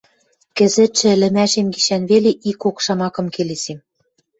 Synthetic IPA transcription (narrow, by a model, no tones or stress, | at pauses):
kɘ̆zɘ̆t̪ʃɘ̆ɘ̆lɘ̆mæʃemɡiʃænβeleʔikokʃɑmɑkɤ̆mkelesem